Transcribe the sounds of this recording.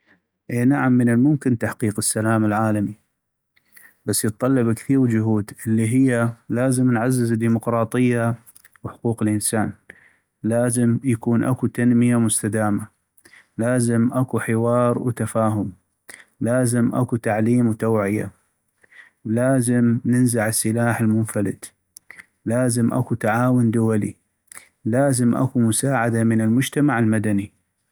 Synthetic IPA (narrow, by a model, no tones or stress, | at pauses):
ʔeːnaʕamːənɪlmʊmkɪnt̪aħqiːqɪsːalaːmɪlʕaːlami | basːjət̪̚ˤːɑlːɑbkθiːɾd͡ʒʊɦuːd̪ʔəlːiɦɪjːalaːzəmnʕazːɪzd̪ːiːmʊqɾˤɑːt̪ˤɨjːa | wħʊquːqɪlʔənsaːn | laːzɪmjakuːnʔa̰kut̪anmɪjamʊst̪ad̪aːma | laːzɪmʔakuħɪwɑːɾˤwt̪afaːɦʊm | laːzɪmʔa̰kut̪aʕliːmwt̪awʕɪja̰ | laːzɪmnɪnzaʕɪsːɪlaːħɪlmʊnfalɪ̰d̪ | laːzɪmʔa̰kut̪aʕaːwʊnd̪ʊwalḭ | laːzɪmʔa̰kumʊsaːʕad̪amɪnɪlmʊd͡ʒt̪amaʕɪlmad̪ani